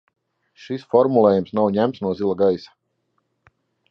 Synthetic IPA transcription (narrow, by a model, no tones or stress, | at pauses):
ʃisfɔɾmulˠeːjumsnawɲæmt̪snuɔzilˠaɡajsḁ